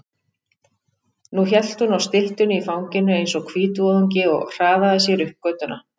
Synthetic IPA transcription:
nuçɛl̥t̪hunawst̪ɪl̥t̪ʏnɪifawŋcɪnːʏejnsɔɣkʰviːt̪ɔðɔɲcɪɔ̰ɣr̥aːvaðasjɛɾʏhp̚kœːt̪ʏna

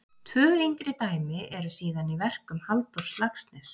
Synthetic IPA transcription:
t̪ʰvœːejŋkɾɪt̪aːjmɪʔɛɾʏsiːðanivɛr̥kʏmhalt̪owɾ̥slakst̪nɛs

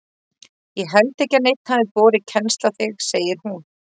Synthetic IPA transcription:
jɛɦɛlt̪ehcanejt̪n̥haðɪvɔːɾɪcʰɛnst̪laθɪɣseːjɪɾ̥hun

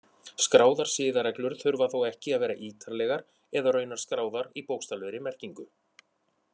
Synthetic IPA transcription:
skɾaːwðaɾ̥sɪːðaɾɛklʏɾ̥θʏɾvaθowɛhcɪaðvɛːɾaʔiːt̪ʰaɾlɛːɣaɾ | ɛðarœːɥnaɾ̥skɾaːwðaɾipoːwkst̪alvœɾɪmɛr̥ciŋkʏ

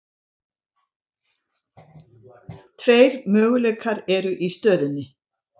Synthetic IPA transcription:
t̪ʰveːjɾmœːɣʏleɥkʰaɾɛɾʏʔist̪œːðɪnːɪ

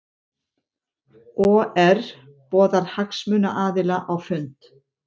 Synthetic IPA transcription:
ɔɛɾ | pɔːðaɾ̥haksmʏːna̰ʔaːðɪlaʔawfʏnt̪

